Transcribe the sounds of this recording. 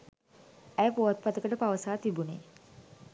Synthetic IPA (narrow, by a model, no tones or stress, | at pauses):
æjəpoːat̪̚pat̪əkəʈəpaʋəsaːt̪ibuneː